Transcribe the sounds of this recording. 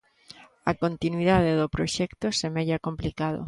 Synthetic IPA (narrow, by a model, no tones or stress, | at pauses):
akont̪inwiðað̞eðopɾoʃɛkt̪osemeʎakomplikað̞o̰